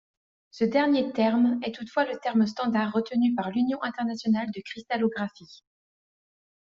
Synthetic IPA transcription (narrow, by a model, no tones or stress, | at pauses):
səd̪ɛʁnjet̪ɛʁmɛt̪ut̪fwalət̪ɛʁmst̪ɑ̃d̪aʁːət̪ənypaʁlynjɔ̃ʔɛ̃t̪ɛʁnasjɔnald̪əkχist̪alɔɡʁafi